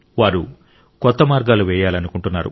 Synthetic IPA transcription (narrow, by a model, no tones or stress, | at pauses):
ʋaːɾu | kɔt̪ːɐmaːɾɡaːluʋɛːjaːlɐnukuɳʈunːaːɾṵ